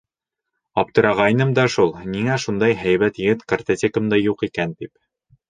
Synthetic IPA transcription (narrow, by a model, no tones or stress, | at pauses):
ɒp̚t̪ɤ̆ɾɑʁɑjnɤmd̪ɑʃulˠniŋæʃund̪ɑjɦæjbæt̪jɘ̆ɡɘt̪kɐ̆rt̪ɐt̪ʲekɤ̆md̪ɑjuqikænt̪ip